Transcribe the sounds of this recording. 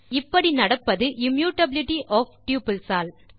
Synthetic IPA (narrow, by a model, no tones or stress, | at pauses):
ɪpːɐɽinɐɽɐpːɐðɯʔɪmjuːʈɐbɪlɪʈiʔɔːfʈjuːpɪlsaːl